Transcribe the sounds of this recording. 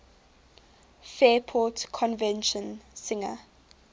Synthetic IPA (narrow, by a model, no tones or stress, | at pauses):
fɛːpʰɔtkʰɔ̃nvɛ̃nʃə̃nsɪ̃ŋə̰